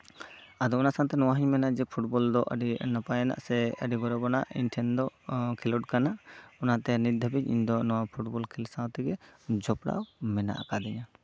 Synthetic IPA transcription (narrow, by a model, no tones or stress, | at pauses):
ad̪ɔɔnasãwt̪ɛnɔwaɦiɲmɛnaʔd͡ʒɛpʰuʈbɔld̪ɔʔəɖinapajɛna̰ʔsɛəɖiɡɔɾɔbɔnaʔḭnʈʰɛnd̪ɔkʰɛlɔʈ̚kanaʔɔnat̪ɛnid̪ʱəbiɲḭɲd̪ɔnɔwapʰuʈbɔlkʰilsãwt̪ɛɡɛd͡ʒɔpɽa̰wmɛna̰ʔakad̪ɛɲa